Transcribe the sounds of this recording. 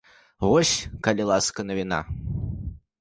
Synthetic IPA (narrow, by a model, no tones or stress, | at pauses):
vɔsʲkɐlʲilˠaskɐnɐvʲina̰